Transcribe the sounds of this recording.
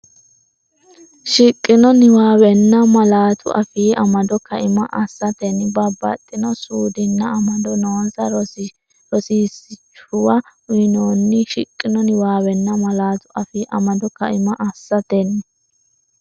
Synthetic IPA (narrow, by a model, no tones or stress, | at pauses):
ʃɪkʼːɪnɔnɪwaːwɛnːɐmɐlaːt̪ʊ̰ʔɐ̰fiːʔɐmɐd̪ɔkɐʔɪmɐʔɐsːɐt̪ɛnɪbɐbːɐ̰t̪ʼːɪnɔsuːd̪ɪnːɐɐmɐd̪ɔnoːzɐ | ɾɔsiːsɪt͡ʃːʊwɐʊjɪnoːnːɪʃɪkʼːɪnɔnɪwaːwɛnːɐmɐlaːt̪ʊʔɐfiːʔɐmɐd̪ɔkɐʔɪmɐʔɐsːɐt̪ɛnːɪ